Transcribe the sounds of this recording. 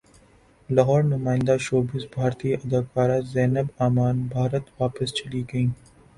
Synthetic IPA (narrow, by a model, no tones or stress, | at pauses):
lɐɦɔːɾnʊmãːɪ̃nd̪aʃoːbɪsbʱaːɾt̪iɐd̪akaːɾazɛːnəbaːmaːnbʱaːɾət̪ʋaːpəst͡ʃɐliɡɐĩː